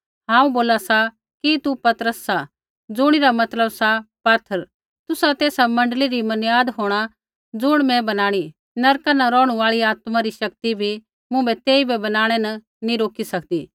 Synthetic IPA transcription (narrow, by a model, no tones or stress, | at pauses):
ɦãːũboːlasa | kit̪upɐt̪əɾəsːa | d͡zʊɽ̃iɾamɐt̪ləbsapat̪ʰːəɾ | t̪ʊsat̪eːsamɐ̃ɳɖliɾimɐnjaːd̪ɦoːɽ̃a | d͡zʊɽ̃mɛ̃bɐnaːɽ̃i | nɐɾkanɐɾɔːɽ̃ũaːɭiaːt̪mãɾiʃɐk̚t̪ibʱi | mʊ̃bɛt̪eːibɛbɐnaːɽ̃ɛnɐ | nĩɾoːkisɐkd̪iː